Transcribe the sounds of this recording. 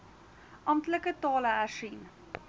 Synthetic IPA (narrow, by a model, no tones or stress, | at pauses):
ʔɑmtləkətɑːləæʃin